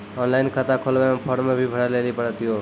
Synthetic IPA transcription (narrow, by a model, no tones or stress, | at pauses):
ɔnlajnkʰət̪akʰolbampʰʌɽmebʱibʱəɽaleɾipəɽət̪ʰijo